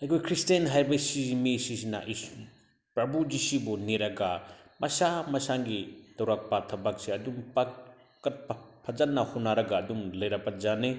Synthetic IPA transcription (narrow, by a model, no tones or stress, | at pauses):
ɐjkʰojkʰɾistanɦajbɐsimisisina̰ʔi | pɾɐbud͡ʒisibɔneɾɐɡamɐsamɐsaŋɡid̥ɐwɾak̚patʰɐbaksiɐdumpa | kɐt̚ppʰɐd͡ʒanːahunaɾɐɡaːdumlɐjɾapad͡ʒane